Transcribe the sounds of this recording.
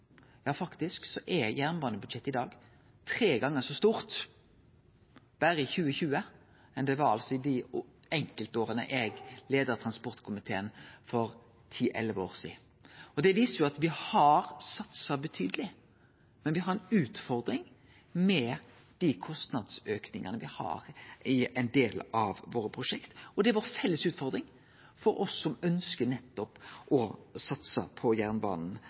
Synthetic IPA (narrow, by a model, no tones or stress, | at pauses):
jɑːfɑkt̪ɪsksɔʔɛjæːʁnbɑːnəbʉd̪ʃɛt̪ːɪd̪ɑːɡ | t̪ʰɾeːɡɑŋːəsɔst̪uːʁt̪ | b̥æɾəɪçʉːəçʉːə | mɛnd̪ɛʋɑɾɑ̰lsɔɪd̪iɛŋkəlt̪oːɾənə̰ʔɛɡleːd̪əɾt̪ʰɾɑnspɔɾt̪kʰʊmɪt̪ʰeːənfɔɾ | t̪ʰiːʔɛ̰lʋo̰ːʁsḭː | ɔd̪ɛʋiːsəjʊɑt̪ʋɪhɑɾsɑt̪sɑbət̪ʰyːd̪əlɪ | mɛnʋɪɦɑɾɛnʉːt̪fɔɾd̪ɾɪŋ | mɛ | d̪̥ikʰɔst̪nɑd̪søːknɪŋənəʋɪhɑ̰ɾɪɛɪnd̪eːlɑʋʋoːɾəpʰɾʊʂɛkt̪ɔd̪ɛʋɑɾfɛlːəsʉːt̪fɔɾd̪ɾɪŋ | fɔɾɔsːɔmœnskənɛt̪ːɔpʔɔsɑt̪sə̰pʰɔjæʁnbɑ̰ːnn̩